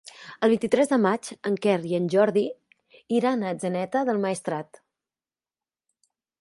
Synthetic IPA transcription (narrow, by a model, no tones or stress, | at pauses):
əlˠβint̪it̪ɾɛzðəmad͡ʒəŋkɛriənʲʒɔɾði | iɾanəd͡ʒənɛt̪əðəlˠməist̪ɾat̪